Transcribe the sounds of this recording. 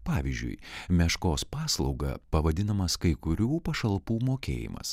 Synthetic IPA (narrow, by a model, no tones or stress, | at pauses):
pɑːʋʲiːzʲd͡ʒʲʊ̰ɪmʲɛʃkoːspɑːslˠɐʊɡɐ̰pɐʋɐd̪ʲɪnɐmɐskɐɪkʊɾʲuːpɐʃɐlˠpuːmoːkʲḛːjɪ̰mɐ̰s